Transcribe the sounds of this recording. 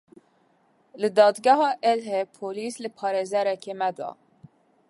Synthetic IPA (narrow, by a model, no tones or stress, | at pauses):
lɨd̪ɑːd̪ɡæɦɑːʔelɦepʰoːliːslɨpʰɑːɾeːzɛɾɛkeːmɛd̪ɑ̰ː